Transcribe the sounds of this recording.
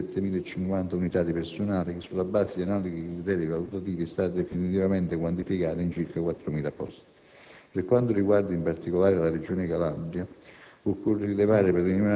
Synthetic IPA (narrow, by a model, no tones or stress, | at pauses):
ɛt̪ːemiːlaet͡ʃːiŋkwant̪aunit̪ad̪ipersonaːlikɪsːulːabaːsed̪ianaːlikikɾit̪ɛːɾivalut̪at̪iːvist̪aːt̪d̪ɛfinit̪ivamɛnt̪ɪkwant̪ifikaːt̪aint͡ʃiɾkakwat̪ːɾomiːlapɔst̪ɪ̥ | peɾkːwant̪ʊɾiɡward̪aimpart̪ikolaːɾelared͡ʒoːnɪkalabɾjaokːorilevaːɾɪperːinia